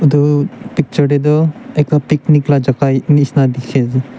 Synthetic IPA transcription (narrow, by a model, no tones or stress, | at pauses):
ud̪upik̚t͡ʃɔɾɛd̪ɔɛklapikniklad͡ʒakajnisnad̪ikʰɛzi